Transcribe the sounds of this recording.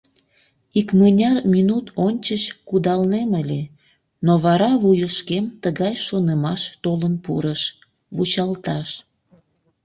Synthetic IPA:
ikmənʲɑrminut̪ʰonʲt͡ɕəɕkud̪ɑlneməlʲe | noβɑɾɑβujəʃkemt̪əɣɑjʃonəmɑʃt̪olənpṵɾəʃ | βut͡ɕɑlt̪ɑʃ

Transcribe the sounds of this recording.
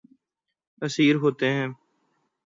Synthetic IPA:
əsiːɾɦoːt̪eɦɛ̃ː

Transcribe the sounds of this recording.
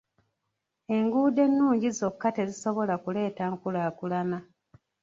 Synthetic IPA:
e̞ŋɡuːde̞nːuːɲɟizo̞kːate̞ziso̞βo̞lakule̞ːtaːŋkulaːkulana

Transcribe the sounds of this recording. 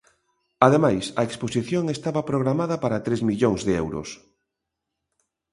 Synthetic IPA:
aðemajsɐeksposiθjoŋest̪aβɐpɾoɣɾamaðɐpaɾɐt̪ɾezmiʎoŋzðeɛwɾʊ̰s

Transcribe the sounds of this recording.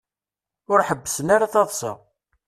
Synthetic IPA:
ʊɾħəbːəsənaɾaθɑðˤsə̰ʁ

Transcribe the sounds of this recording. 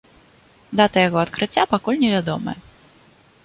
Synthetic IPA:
d̪at̪ɐjaɣɔɐt̪kɾɨt͡sʲːapakulʲnʲɛvʲad̪ɔmɐ̰jɛ

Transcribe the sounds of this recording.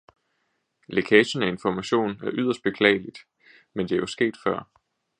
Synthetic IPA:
le̝kʰɛːɕənæe̝nfɒmæɕo̝̰ːnæɐʔyð̞̰ˠɐsd̥b̥e̝kʰlɛ̰ɪlid̥ | mend̥e̝æjosɡ̥e̝̰ːd̥fɶɐ̰

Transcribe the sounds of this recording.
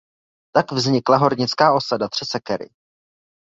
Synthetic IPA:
t̪aɡvzɲɪklaɦo̞ɾɲɪt͡skaːʔo̞sadat̪r̝̥ɛsɛkɛɾɪ̰

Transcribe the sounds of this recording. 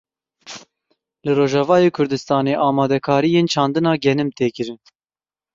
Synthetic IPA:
lɨroːʒɑvɑːjeːkʰʊɾd̪ɨst̪ɑːneːʔɑːmɑːd̪ɛkʰɑːɾijeːnt͡ʃʰɑːnd̪ɨnɑːɡɛnɨmt̪eːkɨɾɨn

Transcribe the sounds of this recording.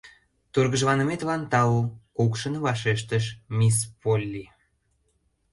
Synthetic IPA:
t̪urɣəʒβɑnəmet̪lɑnt̪ɑlukukʃə̆nβɑʃeʃt̪əʃmʲispolʲːi

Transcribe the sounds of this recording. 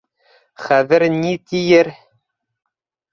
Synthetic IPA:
χæðɘɾnit̪ijɘɾ

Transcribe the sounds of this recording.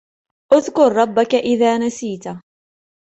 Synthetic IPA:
ʔʊðkʊɾˤːɑbːakaʔɪðaːnasiːt̪a

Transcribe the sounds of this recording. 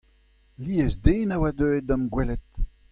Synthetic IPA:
liezdeːnawad̪øːed̪ɔmɡwɛlɛt̪

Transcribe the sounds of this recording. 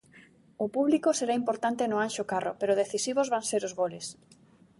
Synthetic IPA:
ʊpuβlikʊseɾaimpoɾt̪ant̪enʊanʃʊkarʊ̰peɾʊð̞eθisiβ̞ozβaŋseɾʊzβolɪs

